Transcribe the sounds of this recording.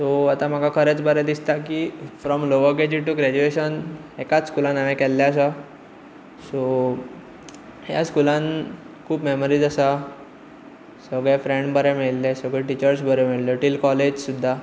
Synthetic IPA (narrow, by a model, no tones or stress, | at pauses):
soat̪ãm̤əkakʰəɾet͡sbəɾɛd̪ist̪akifɾɔmloʋəɡed͡ʑiʈuɡɾæd͡ʑueɕənɛkat͡sskulãnamɛ̃kɛlːaəsa | so | ɦja̰skulan | kʰuːbmeməɾiːd͡zasa | səɡɭɛfɾẽɳɖbəɾɛmiɭlɛsəɡɭɛʈit͡ɕəɾsbəɾɛmiɭləʈilkɔled͡ʑsud̪ʱːa